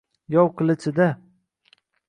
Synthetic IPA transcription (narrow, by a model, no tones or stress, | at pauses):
jɒwqʰɨlˠɪt͡ʃʰɪd̪a